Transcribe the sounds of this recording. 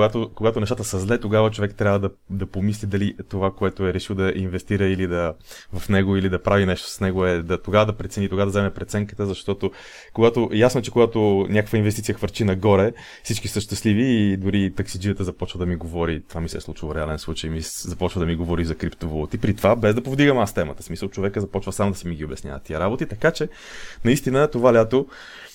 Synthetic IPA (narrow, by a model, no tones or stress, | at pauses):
ɡat̪okoɡat̪onɛʃ̬t̪at̪əsɐzlɛt̪oɡavət͡ʃovɛkt̪ɾʲavəd̪ɐd̪ɐpomislid̪ɐlit̪ovakoɛt̪oɛɾɛʃiwd̪ɐʔinvɛst̪iɾəilid̪ɐvɐfnɛɡoilid̪ɐpɾavinɛʃt̪o̥snɛɡoɛd̪ɐt̪oɡavəd̪ɐpɾɛt̪sɛnit̪oɡavəd̪ɐzɛmɛpɾɛt̪sɛŋkə̥t̪əzɐʃt̪ɔt̪o | koɡat̪oʔjasnoɛt͡ʃɛkoɡat̪onʲakə̥kvəinvɛst̪it̪iəxvəɾt͡ʃinɐɡɔɾɛ | fsit͡ʃkisəʃt̪ɛsliviːd̪ʊɾit̪ɐksid͡ʒiət̪əzɐpɔt͡ʃvəd̪ɐmiɡovɔɾit̪ovamisɛ̰slˠut͡ʃvəɾɛalɛnslˠut͡ʃəjmizɐpɔt͡ʃvəd̪ɐmiɡovɔɾizɐkɾipt̪ovolˠut̪ipɾit̪ovabɛzd̪ɐpovd̪iɡəmst̪ɛmət̪ə̥smisəlˠt͡ʃovɛkəzɐpɔt͡ʃvəsamod̪ɐsɛmiɡiobɛsnʲja̰vɐt̪ːiəɾabot̪it̪ɐkat͡ʃɛ | nɐist̪inət̪ovalʲat̪o